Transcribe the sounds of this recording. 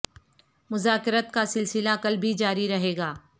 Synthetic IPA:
mʊzaːkɪɾət̪kasɪlsɪlaɐkəlbʱid͡ʒaːɾiɾɐɦeːɡaː

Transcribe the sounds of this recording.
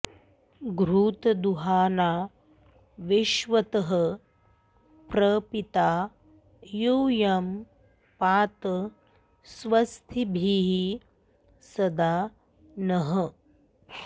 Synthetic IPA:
ɡɾuːt̪ɐd̪uɦaːnaː | ʋiʃʋɐt̪ɐɦə | pɾɐpit̪aː | juːjɐm | paːt̪ | sʋɐst̪ʰibʱiːɦi | sɐd̪aː | nɐɦə

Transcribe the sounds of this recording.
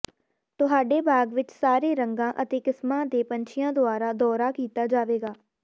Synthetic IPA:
t̪ʊɦaːɖeːbʱaːɡʋɪt͡ʃsaːɾeːɾəŋɡãːʔət̪eːkɪsmãːd̪eːpəɲt͡ʃʰɪjãːd̪ʊaːɾaːd̪ɔːɾaːkiːt̪aːd͡ʒaːʋeːɡaː

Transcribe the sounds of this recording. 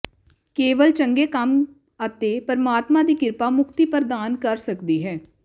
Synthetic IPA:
keːʋəlt͡ʃəŋɡeːkəm | ət̪eːpəɾmaːt̪mãːd̪iːkɪɾpaːmʊkʰt̪iːpəɾd̪aːnkəɾsəkd̪iːɦɛː

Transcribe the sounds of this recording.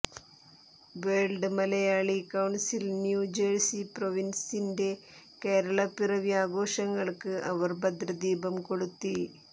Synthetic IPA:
ʋeːɭɖɨmɐlɐjaːɭikɐwɳsilnjuːd͡ʑeːrsiproʋinsinde̞ | keːɾɐɭɐpirɐʋiaːɡo̞ːʂɐŋːɐɭkɨʔɐʋɐrbɐd̪ɾɐd̪iːbɐmko̞ɽut̪ːi

